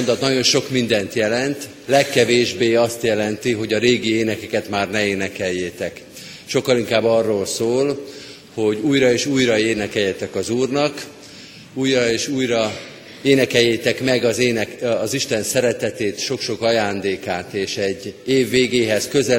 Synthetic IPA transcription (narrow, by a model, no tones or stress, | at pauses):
ond̪ɒt̪nɒɟo̞nʃo̞kmind̪ɛnt̪jɛlɛnt̪ | lɛkːɛveːʒbeːɒst̪jɛlɛnt̪iɦo̞ɟɒɾeːɡieːnɛkɛkɛt̪maːrnɛeːnɛkɛjːeːt̪ɛk | ʃo̞kːɒliŋkaːbːɒrːoːlsoːl | ho̞ɟuːjɾɒeːʃuːjɾɒeːnɛkɛjːɛt̪ɛkɒzuːrnɒk | uːjrɒeːʃuːjɾɒ | eːnɛkɛjːeːt̪ɛkmɛɡɒzeːnɛɒziʃt̪ɛnsɛɾɛt̪ɛt̪eːt̪ʃo̞kʃo̞kɒjaːnd̪eːkaːt̪eːʃɛɟːeːvːeːɡeːɦɛskø̞zɛ